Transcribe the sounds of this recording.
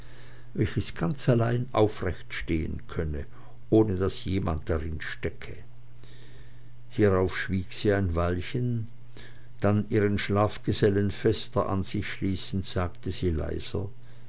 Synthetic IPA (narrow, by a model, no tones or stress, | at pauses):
vɛlçəsɡ̥ant͡salaɪnʔa̰ʊfʁɛçtʃteːə̰nkʰœnə | ʔoːnədasjeːma̰nt̚d̥aʁɪnʃtɛkʰə | hiːʁaʊfʃv̥iːkz̥iːaɪnvalçən | d̥anʔiːʁənʃlaːfɡ̥əzɛlənfɛstɐʔa̰nz̥ɪçʃliːsn̩tz̥aːktəziːla̰ɪz̥ɐ̰